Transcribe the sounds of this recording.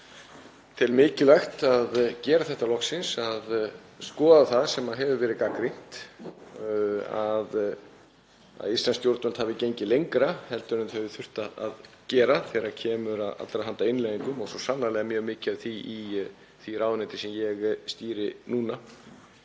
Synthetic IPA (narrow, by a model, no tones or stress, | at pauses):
t̪ʰɪlmɪːcɪlaxt̪aðcɛːɾaθɛht̪alɔhksɪnsað | skɔːðaθaðsɛmaðɦɛvʏvɛːɾɪkakɾin̥t̪ | að | a̰ðist̪lanst̪jowɾt̪mɛn̥t̪havɪcejɲcɪlejŋkɾahɛlt̪ʏɾnʏɪmθœjvɪθʏr̥t̪aa̰ð | cɛːɾaθɛɾacʰɛːmʏɾaða̰t̪ːɾaɦant̪aɪnleðiŋkʏmɔɣsɔsanːalɛːɣamjœːɣmɪːcɪaðθii | θiɾʔaːwnɪt̪ɪsɛmjɛɣst̪iːɾɪnuːna